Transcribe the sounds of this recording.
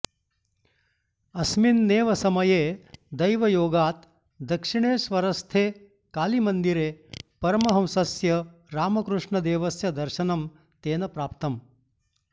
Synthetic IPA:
ɐsminːeːʋɐsɐmɐjeːd̪ɐjʋɐjoːɡaːt̪ | d̪ɐkʂiɳ̃eːsʋɐɾɐst̪ʰeː | kaːlimɐnd̪iɾeːpɐɾɐmɐɦɐmsɐsjɐɾaːmɐkɾuʂɳɐd̪eːʋɐsjɐd̪ɐɾʃɐnɐm | t̪eːnɐpɾaːpt̪ɐm

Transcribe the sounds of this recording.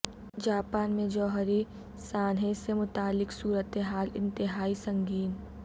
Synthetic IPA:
d͡ʒaːpaːnmẽd͡ʒɔːɦɾi | saːnɦẽsemʊt̪aːlːɪksuːɾət̪eɦaːlɪ̰̃nt̪ɪɦaːisɐ̃ŋɡiːn

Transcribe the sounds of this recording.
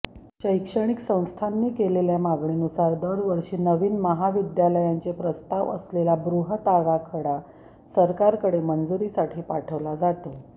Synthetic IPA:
ɕəjkʂəɳ̃iksə̃w̃st̪ʰanːiːkeleljamaɡɳiːnusaɾd̪əɾʋəɾʂiːnəʋiːnməɦaʋid̪jaləjant͡sepɾəst̪aʋə̰slelabɾuɦət̪aʋakʰəɽa | səɾkaɾkəɽemənd͡zuɾiːsaʈʰiːpaʈʰəʋlad͡zat̪o

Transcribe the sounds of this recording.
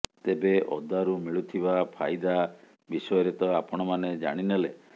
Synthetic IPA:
t̪ebeʔɔ̰d̪aɾumiɭut̪ʰibapʰajd̪a | bisɔjɔɾet̪ɔapɔɽ̃ɔmaned͡ʒa̰ɽ̃inele

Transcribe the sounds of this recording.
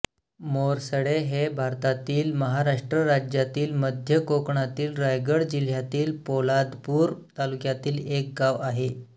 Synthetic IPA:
moɾsəɽeɦebʱaɾt̪at̪iːlməɦaɾaʂʈɾəɾad͡ʑjat̪iːlməd̪ʱjəkokɳat̪iːlɾajɡəɽd͡ʑil̤jat̪iːlpolad̪puːɾt̪alukjat̪iːlek̚ɡaʋaɦe

